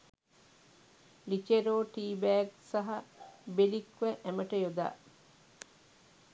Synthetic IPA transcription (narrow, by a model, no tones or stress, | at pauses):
lit͡ʃeɾoːʈiːbæːksɐɦɐbelikʋeʔæmɐʈɐjod̪a̰ː